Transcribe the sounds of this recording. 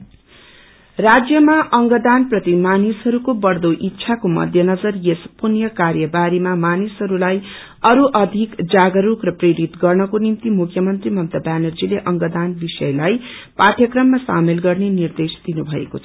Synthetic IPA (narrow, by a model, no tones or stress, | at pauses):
rad͡zjʌmaʔʌŋɡʌd̪anprʌt̪imanisɦʌɾukobʌrd̪oʔitːsʰakomʌ̰d̪ʱjʌnʌd͡zʌrjespunjʌkaɾjʌbaɾimamanisɦʌɾulaj | ʌɾuʔʌd̪ʱikd͡zaɡʌɾukrʌpreɾit̪ɡʌrnʌkonimt̪imukʰjʌmʌnt̪rimʌmt̪ʌbanʌrd͡zileʔʌŋɡʌd̪anbisʌjlajpaʈʰjʌkrʌmːasa̰melɡʌrnenird̪esd̪inubʱʌḛkot͡sʰʌ